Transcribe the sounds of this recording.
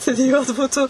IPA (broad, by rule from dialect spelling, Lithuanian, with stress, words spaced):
stʊdʲɪˈjuɔt ˈbuːtuː